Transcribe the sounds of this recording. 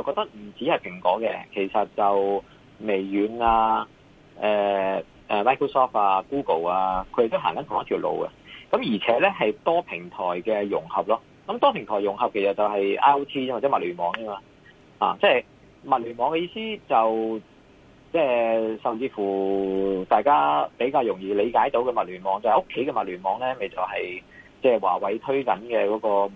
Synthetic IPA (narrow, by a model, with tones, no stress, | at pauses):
jɐ˨˧wkɔː˧t̪ɐ˥k̚m̩˨˩t͡siː˨˥hɐ˨jpʰɪ˨˩ŋkɔ̰ː˨˥kɛ̰˧kʰe˨˩jsɐ˨t̚t͡sɐ˨w | me˨˩jːyː˨˧˥naː˧ | ɛː˨˩ | ʔɛː˨maː˥jkʰo˥wsɔː˥faː˧kuː˥ko˨˩waː˧kʰɵ˧d̪e˨˩t̪o˥wɦaː˨˩ŋkɐ˨˥nʰʊ˨ŋɐ˥t̪ʰi˨wlo̰˨wkɐ̰˧kɐ˨˥mjiː˨˩t͡sʰɛː˨˥lɛ˥ɦɐ˨jt̪ɔː˥pʰɪ˨˩ŋt̪ʰɔː˨˩jkɛː˧jʊ̰˨˩ŋhɐ˨p̚lɔː˥ | kɐ˨˦mt̪ɔː˥pʰɪ˨˩ŋt̪ʰɔː˨˩jʊ˨˩ŋɦɐ˨p̚kʰe˨˩sɐ˨t̚t͡sɐ˨wɦɐ˨jʔa̰ː˥o˥wt̪ʰiː˥waː˨t͡sɛː˨˥mɐ˨t̚lyː˨˩nmɔː˨˥ŋjɐ˥maː˧ | ha̰ː˨˩t͡sɛː˥˩j | mɐ˨t̚lyː˨˩nmɔː˨˧ŋkɛ˧jiː˧siː˥t͡sɐ˨w | t͡sɛː˥˩sɐ˨mt͡siː˧fuː˨˩t̪aː˨jkaː˥pe˨˥jk̬aː˧wjʊ˨˩ŋjiː˧le˨˧jkaː˨˥jt̪o˨˥wkɛ˧mɐ˨t̚lyː˨˩nmɔː˨˧ŋt͡sɐ˨˧ho˥kʰːe˨˥jkɛ˧mɐ˨t̚lyː˨˩nmɔː˨˧ŋlɛː˥me˨jt͡sɐ˨˩wɦɐ˨jt͡sɛː˥˩wa̰ː˨˩wɐ˨˥jt̪ʰɵ˥ɥkɐ˨˥nkɛː˧kɔː˨˥kɔː˧